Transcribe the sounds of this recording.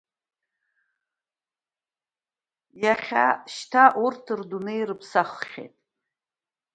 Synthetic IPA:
jaχʲa̰ʃtʰaʔurtʰɨrdunejrɨpʰsaχχʲḛtʼ

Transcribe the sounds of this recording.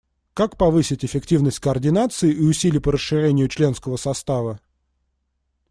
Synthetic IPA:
kakpɐvɨsʲɪtʲɪfʲɪktʲivnəsʲtʲkəɐrdʲɪnat̪sɨɪʔiʊsʲilʲɪpəɾəsɨɾʲenʲɪjʊt͡ɕlʲe̞n̪skəvəsɐst̪avə

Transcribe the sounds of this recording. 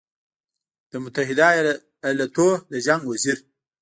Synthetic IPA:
d̪̥əmʊt̪aɦɪd̪a | alat̪od̪əʒaŋɡwaziɾ

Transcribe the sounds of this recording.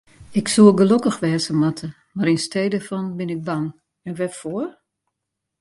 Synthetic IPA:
ɪksuəɡəlokəxʋɛːsəmatʰə | maɾinstʰeːdəfɔnbɪnɪk̚baŋ | ɛnʋɛfoːər

